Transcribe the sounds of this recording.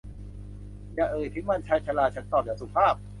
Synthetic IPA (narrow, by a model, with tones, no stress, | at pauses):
jaː˨˩ʔɤː˨˩jt̪ʰi˦˥ma˧nt͡ɕʰaː˧jt͡ɕʰa˧laː˧˩t͡ɕʰa˦˥nt̪ɔː˨˩p̚jaː˨˩su˨˩pʰaː˥˩p̚